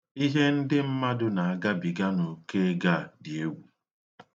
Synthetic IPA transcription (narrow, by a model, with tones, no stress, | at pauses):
i˦ɦe˦n̩˦dɪ˦m̩˦ma˦dʊ˦na˨a˨ɡa˦bi˨ɡa˦no˨ke˦ɡa˦˨dɪ˨e˦wu˨